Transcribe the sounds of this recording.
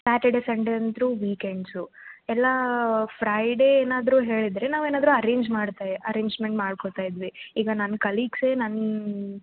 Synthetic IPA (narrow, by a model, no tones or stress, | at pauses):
saːʈeɖeseɳɖent̪ɾuʋiːkeɳɖsu | ɛlːɐpʰɾɐjɖeeːnaːd̪ɾuːɦe̞ːɭid̪ɾenaːʋeːnaːd̪ɾuɐɾeːɲd͡ʒmaːɽt̪aːjeʔɐɾeːɲd͡ʒmeɳʈmaːɖkot̪aːjid̪ʋiiːɡɐnɐnːkɐliːɡse̞ːnɐnː